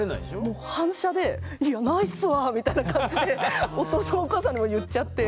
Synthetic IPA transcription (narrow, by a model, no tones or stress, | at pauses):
ena̰id̪eɕomoːhãɰ̃ɕad̪e̞ | ianaisɨβamʲit̪ainakãɲd͡ʑid̪e̞o̞t̪oːsonooːkaːsãɲimo̞jɯ̟tt͡ɕːat̪ːe̞